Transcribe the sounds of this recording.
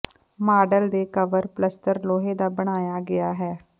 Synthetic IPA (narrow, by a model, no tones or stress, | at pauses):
maːɖəld̪eːkəʋəɾpləst̪əɾloːɦeːd̪aːbəɽ̃aːjaːɡɪjaːɦɛː